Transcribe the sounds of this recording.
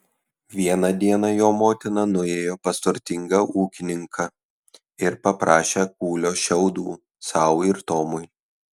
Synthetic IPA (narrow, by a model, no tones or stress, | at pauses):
ʋʲiɛnɐd̪ʲiɛnɑjoːmoːt̪ʲɪnɐnʊeːjoːpɐst̪ʊɾʲt̪ʲɪŋɡɐʔuːkʲɪnʲɪŋkʰɐ | ɪɾpɐpɾɑːʃʲek̚uːlʲoːʃʲɛʊd̪ṵː | sɑˑʊɪɾt̪oːmʊɪ